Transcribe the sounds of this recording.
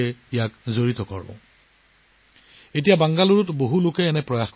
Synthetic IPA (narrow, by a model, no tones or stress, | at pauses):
ɛijakzoɹitɔkɔ̰ɹbɔ̰̃ | etijabaŋɡaluɹʊtboɦulʊkɛːnɛpɹɔjaxk